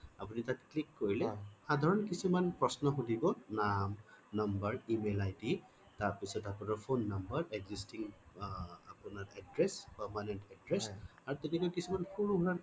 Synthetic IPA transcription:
apunitatklikːoɹilɛhadʱɔɹɔnkisimanpɹɔsnɔxudibɔnamnʌmbəɹimelajdi | taɹpisɔtapunaɹpʰonːambəɹɛɡzistiŋ | a̰punaɹɛdɹɛspɛɹmanɛntadɹɛsaɹutɛkɛkɔkisimanhuɹuɦuɹan

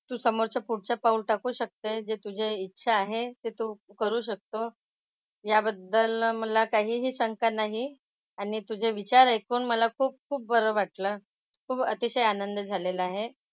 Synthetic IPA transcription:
t̪uːsəmoɾt͡ɕapuɽt͡ɕapaulʈakuːɕək̚t̪ed͡ʑet̪ud͡ʑʱeitːɕʰaːɦet̪et̪uːkəɾuːɕ̬ək̚t̪o | jabəd̪ːəlməlakaɦiːɦiːɕəŋkanaɦi | aɽ̃it̪ud͡ʑʱeʋit͡ɕaɾajkuːnməlakʰuːp̚kʰuːp̚bəɾəʋaʈləː | kʰuːpət̪iɕəjanənd̪d͡zʱaleləaɦe

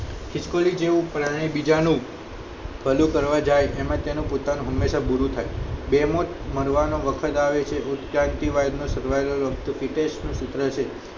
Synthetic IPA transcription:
kʰɪskolid͡ʒeʋũpɾaɽ̃ebid͡ʒanũ | bʰʱəlũkəɾʋad͡ʒajʔemãt̪enũpot̪anũɦəmːeʃabuɾũt̪ʰa̰jbemot̪məɾʋanoʋəkʰət̪aʋet͡ʃʰeʔut̪kɾant̪iʋajd̪nõsəɾʋajloɾʋəkt̪ufiʈeʃnũsʊt̪ɾət͡ʃʰe

